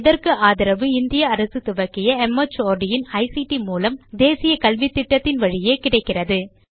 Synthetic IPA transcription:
ɪðɐɾkɯʔaːðɪɾɐʋɯɪnd̪ɪjɐɐɾɐsɯt̪ʊʋɐkːɪjɐɛmɐt͡ʃoːɾɖɪjɪnɐɪsiʈimuːlɐmd̪eːsɪjɐkɐlʋit̪ːɪʈːɐt̪ːɪnʋɐɻɪjeːkɪɽɐɪkːɪrɐðɯ

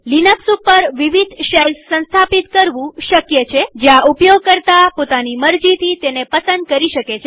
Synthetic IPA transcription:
linəksupəɾʋiʋid̪ʱʃelsːə̃nst̪ʰapit̪kəɾʋũʃəkjət͡ʃʰed͡ʒeãʔupjoɡ̚kəɾt̪apot̪animəɾd͡ʒit̪ʰit̪enepəsənd̪̚kəɾiʃəket͡ʃʰe

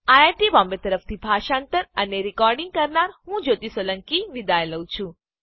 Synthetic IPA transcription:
ajaɾʈibɔmbet̪əɾəft̪ʰibʱaʃãnt̪əɾəneɾikɔɾɖiŋɡ̚kəɾnaɾhũd͡ʒot̪isoləŋkiʋid̪ajeləw̃t͡ʃʰũ

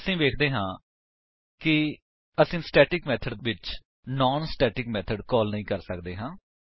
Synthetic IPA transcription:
əsĩːʋeːkʰd̪eːɦãː | kɪ | əsĩːsʈɛːʈɪkmɛːt̪ʰəɖʋɪt͡ʃ | nɔːnsʈɛːʈɪkmɛːt̪ʰəɖkɔːlnəĩːkəɾsəkd̪eːɦãː

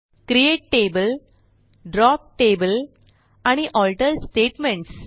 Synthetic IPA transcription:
kɾieːʈ̚ʈeːbəl | ɖɾɔːp̚ʈeːbəl | ɐniʔɔːlʈɐɾsʈeːʈmẽɳʈs

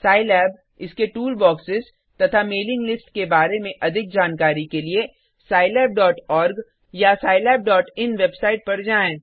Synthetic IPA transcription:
saːɪlɛːb | ɪskeʈuːlbɔːksɪz | t̪ɐt̪ʰameːlɪ̃ŋɡlɪsʈkebaːɾemẽʔɐd̪ʱɪk̚d͡ʒaːnkaːɾikelie | saːɪlɛːb̚ɖɔːʈɔːɾɡ | jasaːɪlɛːb̚ɖɔːʈɪnʋebsaːɪʈ̚pɐɾd͡ʒaːẽː

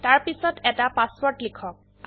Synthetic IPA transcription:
taɹpisɔtɛtapaspɔɹtlikʰɔk̚

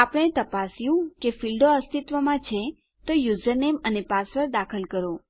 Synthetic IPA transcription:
apəɽ̃et̪əpasijũkefilɖoəst̪it̪ʋəmãt͡ʃʰe | t̪ojud͡ʒəɾnemənepasʋəɾd̪akʰəlkəɾo

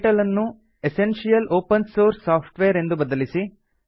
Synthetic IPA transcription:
ʈɐlɐnːu | esenʃijɐloːpɐnsoːɾsːaːpʰʈʋejɐɾe̞nd̪ubɐd̪ɐlisi

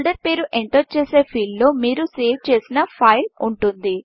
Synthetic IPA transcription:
ɭɖɐɾpe̞ːɾuʔeɳʈot͡ʃe̞ːse̞ːpʰiːllːo̞ːmiːɾuseːʋt͡ʃe̞ːsinɐpʰɐjluɳʈund̪i

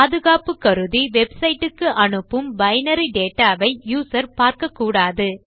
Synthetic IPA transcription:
paːðɯɣaːpɯkːɐɾɯðiʋɛbsɐɪʈːɯkːɯʔɐɳɯpːɯmbɐɪnɐɾiɖeːʈːaːʋɐɪjuːsɐɾpaːɾkɐkːuːɽaːðɯ

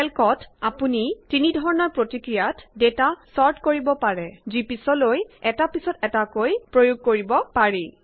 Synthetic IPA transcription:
ɛlkɔtapunitinidʱɔɹɔnɔɹpɹotikɹijatdetasɔɹtkoɹibɔpaɹɛzipisɔlojɛtapisɔtɛtakojpɹojuɡ̚koɹibɔpaɹi

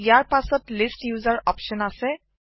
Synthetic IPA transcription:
jaːɾpasətlɪsʈjuːzəɾɔːpʃənase

